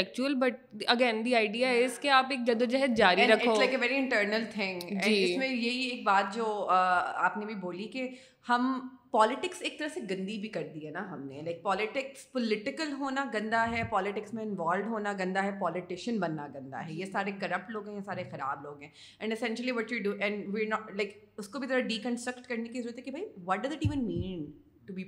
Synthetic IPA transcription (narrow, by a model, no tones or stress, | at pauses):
ɛk̚t͡ʃuəlbɐʈ̚ | ɐɡɛ̃nd̪iaːɪɖiːaɪskeaːpeːk̚d͡ʒɐd̪od͡ʒɛɦət̪̚d͡ʒaːɾiɾɐkɪolaɪkeʋɛːɾiɪ̃ɳʈəːɾnəlt̪ʰɪ̃ŋɡɛ̃d͡ʒ̃ɳiːɪsmẽjeɦieːk̚baːt̪̚d͡ʒoːəːa̰ːpnebʱiboːlike | hɐm | pɔːlɪʈɪkseːk̚t̪ɐɾəseɡɐ̃nd̪ibʱikɐɾd̪iɦɛnaɦɐmnelaɪk̚pɔːlɪʈɪkspɔlɪʈɪkəlɦoːnaɡɐ̃nd̪aɦɛpɔːlɪʈɪksmẽɪ̃nʋɔːlɖɦoːnaɡɐ̃nd̪aɦɛpɔːlɪʈɪʃənbɐnːaɡɐ̃nd̪a̰ɦɛjesaːɾekɐɾɐp̚ʈloːɡɦɛ̃jesaːɾexɐɾa̰ːbloːɡɦɛ̃ː | ɛ̃ɳɖɪsɛ̃nʃəliʋɔʈjuɖuʔɛ̃ɳɖʋiɾnɔlaɪk | ʊskobʱit̪ɐɾaɖiːkə̃nsʈɾɐkʈkɐɾnekizɐɾuət̪ɦɛkebʱaiʋɔʈ̚ɖɐzɪʈiːʋə̃nmĩːn | ʈubi